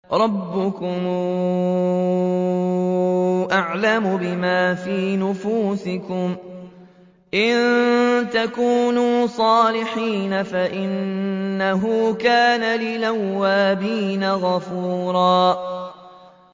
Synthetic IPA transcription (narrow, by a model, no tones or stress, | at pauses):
ɾˤɑbːʊkʊm | ʔaʕlamʊbɪmaːfiːnʊfuːsɪkʊm | ʔɪnt̪akuːnuːsˤɑːlɪħiːnafaʔɪnːaɦukaːnalɪlawːaːbiːnaɣɑfuːɾˤɑː